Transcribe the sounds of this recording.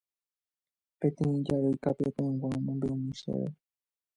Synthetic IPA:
pẽ̞t̪ẽĩd͡ʒaʋejkapeap̪ẽwãõmõmb̪eõmĩʃḛʋḛ

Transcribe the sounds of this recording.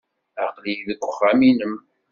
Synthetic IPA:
æqlijðəɡʷːəχːæminəm

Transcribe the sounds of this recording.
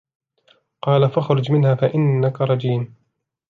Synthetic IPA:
qɑːlafaxɾˤʊd͡ʒmɪnhaːfaʔɪnːakaɾˤɑd͡ʒiːn

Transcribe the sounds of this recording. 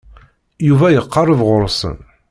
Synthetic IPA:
juvæjəqːɑɾˤəvʁʊɾˤsə̰n

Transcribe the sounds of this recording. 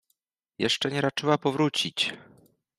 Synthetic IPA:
jɛ̰ʂt͡ʂɛɲɛɾat͡ʂɘwapɔvɾut͡ɕit͡ɕ

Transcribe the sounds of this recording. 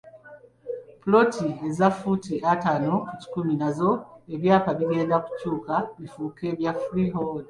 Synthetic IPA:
pulo̞tie̞zafutiʔataːno̞kuci̥kuminazo̞e̞βjaːpaβiɡe̞ːndaku̥cuːkaβifuːke̞ːβjafɾiɦod

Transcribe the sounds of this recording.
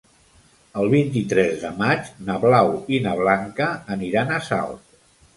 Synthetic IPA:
əlˠβint̪̬it̪ɾɛzðəmat͡ʃnəβlawinəβ̞laŋkəːniɾanəsa̰lˠt̪

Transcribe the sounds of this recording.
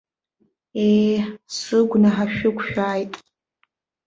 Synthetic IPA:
esɨɡʷnaħaʃᶣʊkʷʃᶣaːjtʼ

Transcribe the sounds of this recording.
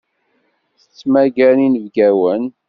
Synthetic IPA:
θə̥t͡sːmæɡæninəvɡæwən

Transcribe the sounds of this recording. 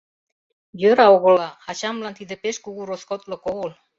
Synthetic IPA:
jøɾɑoɣɤ̆lɑɑt͡ɕɑmlɑnt̪id̪ĕpeʃkuɣuɾoskot̪lɤ̆koɣɤl

